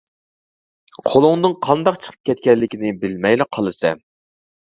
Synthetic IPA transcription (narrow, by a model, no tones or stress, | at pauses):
qʰolˠʊŋnɨŋqʰɑnd̪ɑqt͡ʃʰə̥qʰə̥p̚kʲʰɛt̪̚kʲɛlːɪkʲinɪbɪlmɛjlɪqʰːɑlˠɨsɛ